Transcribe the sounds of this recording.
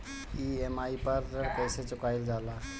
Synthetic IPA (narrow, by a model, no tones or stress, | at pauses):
iemaipəɾːəɽkəjset͡ʃukajld͡ʒala